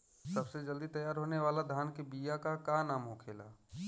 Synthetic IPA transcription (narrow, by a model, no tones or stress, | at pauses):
səbsed͡ʒəld̪it̪əjaːɾɦoːneʋaːlad̪ʱaːnkebijakakanaːmoːkʰeːla̰ː